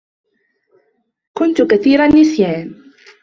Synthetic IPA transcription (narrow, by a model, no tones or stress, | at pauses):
kʊnt̪ʊkaθiːɾanːɪsjaːn